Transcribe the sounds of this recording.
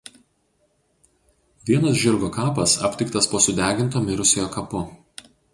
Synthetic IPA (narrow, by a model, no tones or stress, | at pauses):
ʋʲiɛnɐs̬ʒʲɪɾɡoːkɑːpɐsɐ̰pʲt̪ʲɪkt̪ɐspoːsʊd̪ʲæːɡʲɪnt̪oːmʲɪɾʊsʲejoːkɐpʊ